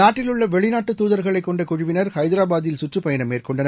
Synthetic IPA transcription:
naːʈːɪlɯɭːɐʋɛɭɪnaːʈːɯt̪ːuːðɐɾɣɐɭɐɪkːɔɳɖɐkːʊɻʊʋɪnɐɾhɐɪðɪɾaːbaːðɪjɪlsʊʈrɯpːɐjɐnɐmːeːrkɔɳɖɐnɐ

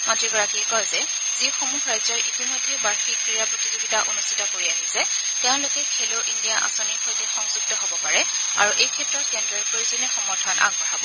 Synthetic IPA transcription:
matɹiɡɔɹakikɔjzɛ | zixomuhʰɹajzɔɹʔitimɔjdʱːɛbaɹxikɹijapɹotizibitaʔonustʰitɔkoɹiaɦisɛ | tɛʊ̃lʊkɛkʰeloʔindijaʔa̰sonikʰɔjtixɔŋzuɡ̚tɔɦobɔpaɹɛ | a̰ɹuʔejkʰɛtɹɔt̚kɛndɹɔɹpoɹizɔnɛxɔmɔtʰɔnʔa̰ɡ̚bɔɹabɔ

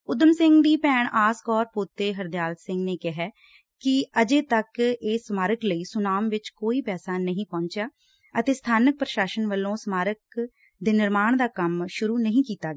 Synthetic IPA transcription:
ʊd̪əmsɪ̃ŋɡd̪iːpɛːɳaːskɔːɾpoːt̪ːeːɦəɾd̪ɪjaːlsɪ̃ŋɡneːkɪɦɛː | kɪəd͡ʒeːt̪əkeːsmaːɾəkləiːsʊnaːmʋɪt͡ʃkoːiːpɛːsaːnəɦĩːpɔ̃ːnt͡ʃjaː | ət̪eːst̪ʰaːnək̚pɾəʃaːʃənʋəlːõːsmaːɾək | d̪eːnɪɾmaːɳd̪aːkəmʃʊɾuːnəɦĩːkiːt̪aːɡ

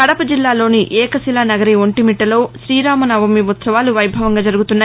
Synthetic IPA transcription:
kɐɽɐpɐd͡ʒilːaːlo̞ːniʔɛːkɐsilaːnɐɡɐɾioɳʈimiʈːɐlo̞ːʃɾiːɾaːmɐnɐʋɐmːiʋut̪sɐʋaːluʋɐjbʱɐʋɐŋɡaːd͡ʒɐɾuɡut̪unːaː

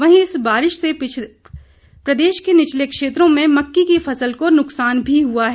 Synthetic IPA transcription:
ʋɐɦĩɪsbaːɾɪʃse | pɾɐd̪eːʃkenɪt͡ʃlekʃeːt̪ɾõmẽmɐkːikifɐsəlkonʊksaːnbʱiɦuaɦɛ

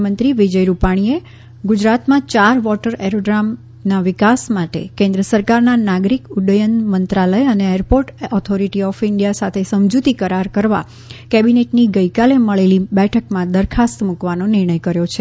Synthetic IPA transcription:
mənt̪ɾiʋid͡ʒəjɾupaɽ̃ie | ɡud͡ʒɾat̪mãt͡ʃaɾʋɔʈəɾeɾoɖɾam | naʋɪkasmaʈḛkẽnd̪ɾəsəɾkaɾnanaɡɾikʊɖəjənmənt̪ɾaləjəneeɾpoɾʈɔt̪ʰoɾiʈiɔfɪɳɖijasat̪ʰesəmd͡ʒut̪ikəɾaɾkəɾʋa̰ | kɛbineʈniɡəikaleməɭelibɛʈʰəkmãd̪əɾkʰast̪mukʋanonɪɾɳ̃əjkəɾjot͡ʃʰe

